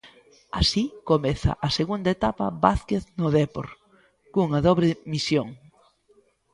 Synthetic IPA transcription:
asikomɛθɐ̰ʔɐseɣund̪aet̪apɐ̰baθkeθnʊðɛpo̰ɾ | kuŋɐðoβɾemisjoŋ

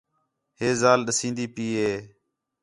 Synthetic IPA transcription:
ɦeːzaːlɗəsĩːnd̪iːpiːɦeː

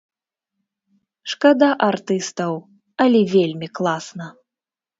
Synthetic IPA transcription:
ʂkad̪aʔart̪ɨst̪ɐw | ɐlʲɛvʲelʲmʲiklˠasnɐ

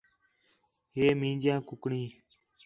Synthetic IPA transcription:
ɦeːmĩːd͡ʒjãːkʊkɳĩː

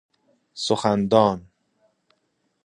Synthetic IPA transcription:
soxænd̪ɒːn

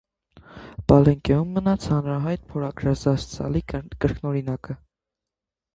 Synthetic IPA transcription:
b̥ɑlɛŋkɛjumːənɑt͡sʰhɑnɾɑɦɑjt̪̚pʰɔɾɑkɾɑzɑst͡sʰɑ̰likəɾknɔɾinɑkə

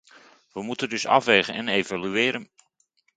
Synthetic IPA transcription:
ʋəmutəndɵsɑ̰fʋejχənɛnejvalyɪːɾən

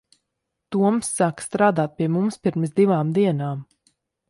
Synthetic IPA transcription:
t̪uɔmsːaːkst̪ɾaːd̪aːt̪̚piɛmumspiɾmsd̪ivaːmd̪iɛnaːm

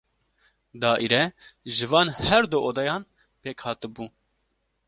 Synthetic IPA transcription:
d̪ɑːʔiɾɛʒɨvɑːnhɛɾd̪oʔoːd̪ɛjɑːn | peːkhɑːt̪ɨbuː

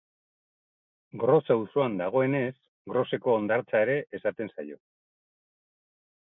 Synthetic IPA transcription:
ɡɾo̞sawsoand̪aɣ̞o̞e̞ne̞s | ɡɾo̞se̞ko̞ːnd̪aɾt͡sae̞ɾe̞ʔesat̪e̞nsa̰jo̞̰

